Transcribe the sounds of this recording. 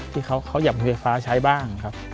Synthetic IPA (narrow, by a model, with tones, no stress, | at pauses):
t̪ʰiː˥˩kʰa˦˥wkʰa˦˥wjaː˨˩p̚mi˧nfa˦˥jfaː˦˥t͡ɕʰa˦˥jbaː˥˩ŋkʰa˦˥p̚